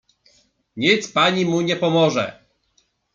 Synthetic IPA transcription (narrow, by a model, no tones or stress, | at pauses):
ɲit̪spaɲimuɲɛpɔmɔʐɛ̰